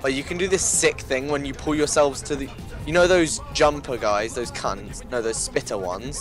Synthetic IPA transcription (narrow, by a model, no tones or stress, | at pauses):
b̥ət͡ʃəkʰə̃ndəðɪsɪkθɪ̃ŋwə̃njəpʰʊlˠjəsɛlˠvz̥tʰəð | jənoʊðəʊzd͡ʒʌ̃mpʰəɡaɪzðəʊz̥kʰʌ̰̃ntsjənoʊðəʊz̥spɪtʰəwʌ̰̃nz̥